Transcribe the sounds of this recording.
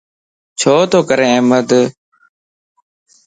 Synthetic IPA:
t͡ʃʰoːt̪oːkəɾẽːeːməd̪

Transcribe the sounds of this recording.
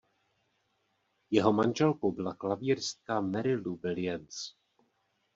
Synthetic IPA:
jɛɦo̞manʒɛlko̞wbɪlaklaviːrst̪̚kamɛɾɪluvɪlɪjɛns

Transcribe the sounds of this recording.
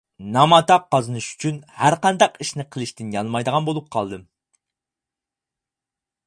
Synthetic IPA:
nɑmɑt̪ɑqːɑzɨnɨʃy̥t͡ʃʰynhæɾqɑnd̪ɑqiʃnɪqʰəlˠɪʃt̪ɪnjɑnˠmɑjd̪əʁɑnbolˠup̚qʰɑlˠd̪ɨm

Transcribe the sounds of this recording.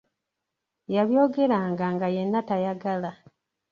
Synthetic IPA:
jaβjo̞ːɡe̞ɾaːŋɡaŋɡaje̞nːatajaɡala

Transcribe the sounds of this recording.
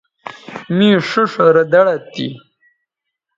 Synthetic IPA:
mĩʂuʂɾɐd̪ɐɽat̪ḭ

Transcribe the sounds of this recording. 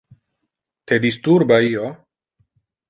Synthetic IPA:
t̪ed̪ist̪uɾbaio

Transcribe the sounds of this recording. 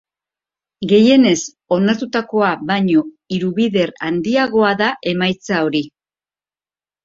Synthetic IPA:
ɡe̞je̞ne̞s | o̞naɾt̪ut̪ako̞aβaɲo̞ | iɾuβiðe̞ɾa̰nd̪iaɣo̞aðaʔe̞majt͡sao̞ɾi

